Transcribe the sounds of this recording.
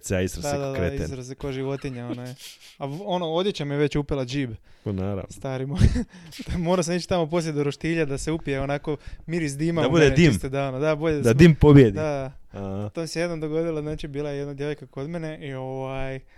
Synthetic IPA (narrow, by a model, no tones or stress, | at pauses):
seaist̪ɾad̪aed̪ad̪kɾeist̪ɾasekoʒiʋo̞t̪iɲaonoeao̞noo̞d̪jet͡ɕamijeʋe̞t͡ɕupelˠad͡ʒiːbnaːɾa̰nst̪aːɾimoj | mo̞ɾas̬amit͡ʃt̪amopo̞s̬lʲjed̪uɾoʃt̪iːʎad̪aseupijeonako̞miːɾizd̪imad̪aud̪ed̪imst̪ed̪aonod̪aboʎed̪ad̪d̪impobjed̪id̪aahat̪omseje̞d̪nomd̪o̞ɡo̞d̪ilaznaːt͡ʃibiːlˠajejed̪nad̪je̞ʋojkako̞d̪meneʔio̞ʋaj